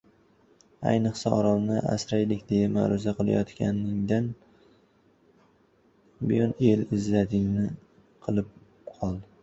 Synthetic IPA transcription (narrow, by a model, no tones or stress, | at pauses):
a̰jnɨqsaɒɾɒmˠnɪʔa̰sɾajlɪkʲd̪e̞jama̰ɾʊzaqɨlˠa̰jɒt̪kʲa̰nɪŋd̪an | bɪjɒne̞lɪzlat̪ʰɪŋnɪ | qʰɨlˠɪp̚ | qʰɒlˠd̪ɪ